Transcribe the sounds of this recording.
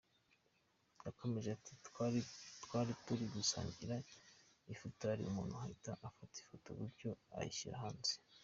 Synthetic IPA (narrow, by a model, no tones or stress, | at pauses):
jako̞me̞ʒeati̥ | twaːɾituɾiɡusa̰ːɲɟiɾa | ifotoaɾḭumuːn̤uhaitaʔafati̥foto̰βuɾɟo̞a̰jḭçiɾa̰haːnze̥